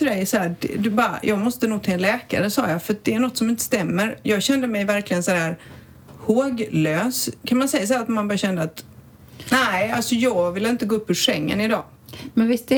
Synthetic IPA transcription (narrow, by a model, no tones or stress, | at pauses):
fœɾɛjsɔhæːdɛ̰d̪ʉbɑːɾa̰jʔɑːɡmɔst̪ənuːɡ̚t̪ʰɑːɛnlɛːka̰ɾəsɑ̰ːjɑfœɾat̪̚d̪ɛæɳɔt̪ːsɔmɪnt̪ə̥st̪ɛmːəɾjɑːɡɕɛnd̪əmɛjvæɾklɪɡənsaæːɾ | hoːɡløːskʰanmansɛjːas̬ahæːɾat̪manbɑːɾaɕɛnd̪əat̪ | næɪalsɔjɑːɡvɪlːɪnt̪əɡoːɵpːʏʂɛŋːə̰nɪd̪ɑ̰ː | mɛnvɪst̪